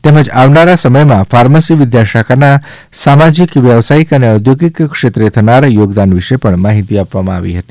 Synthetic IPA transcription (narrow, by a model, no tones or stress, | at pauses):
t̪eməd͡ʒaʋnaɾasəməjmãfʰaɾməsiʋɪd̪jaʃakana | samad͡ʒikʋjəʋsaikəneəd̪ʱjoɡikkʂet̪ɾet̪ʰənaɾjoɡd̪anʋiʃepəɳmaɦit̪iapʋamãa̰ʋḭɦət̪i̥